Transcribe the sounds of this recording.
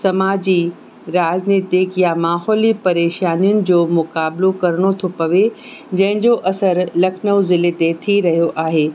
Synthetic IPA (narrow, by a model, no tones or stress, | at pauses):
sɐmaːd͡ʑi | ɾaːzneːt̪ekjamaːɦɔːlipɐɾeːʃaːnijʊnɪ̆d͡ʑoːmʊkaːbɪlokɐɾɽ̃ot̪ʰopɐʋe | d͡ʑɐ̃ɦɪ̃ɲd͡ʑoʔɐsəɾlɐkʰnəʋzɪlet̪et̪ʰiɾɐɦijoʔaːɦeː